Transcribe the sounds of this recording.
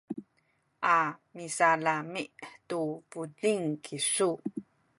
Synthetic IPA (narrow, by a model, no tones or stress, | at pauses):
ʔamisalamiʔtupudiŋkʰisu